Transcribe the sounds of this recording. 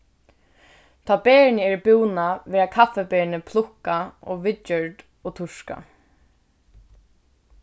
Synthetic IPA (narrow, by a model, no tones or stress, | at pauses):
t̪ʰaːbɛːɹnəɛɹbuwnaʋɛːakʰafːɛbɛːɹnəpʰlʊhkaʔɔʋɪtjœɹd̪ | ɔt̪ʰʊʂka̰